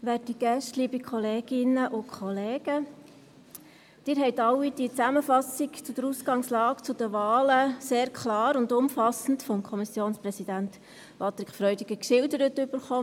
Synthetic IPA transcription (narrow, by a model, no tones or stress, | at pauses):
ʋæːrtiɡ̥ɛʃtliːbikʰɔleːɡ̥ɪnəʔʊkʰɔleːɡ̥ə | d̥ɪːɾɦɛɪtɑwːid̥iət͡sæməfɑsikt͡sʊd̥̪əɾusɡɑŋslɑːkt͡sʊd̥̪əʋɑːləseːɾkʰlɑːɾʊndʊmfɑsn̩tfɔmkʰɔmisjoːnsprɛsid̥̪ænt̪ | pɑt̪ɾɪkχfɾœʏdiɡ̥əkʃɪldəɾətʏb̥əɾχɔː